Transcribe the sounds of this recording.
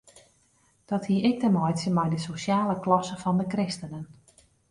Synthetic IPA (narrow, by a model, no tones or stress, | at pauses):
d̥ɔthiəɪk̚təmɔjtsəmɛjdəsosjaːləklɔsəfɔndəkrɪstənən